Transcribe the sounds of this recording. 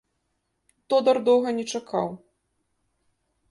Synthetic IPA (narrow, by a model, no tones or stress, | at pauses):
t̪ɔd̪ɐrd̪ɔwɣɐnʲɛt͡ʂakʰa̰w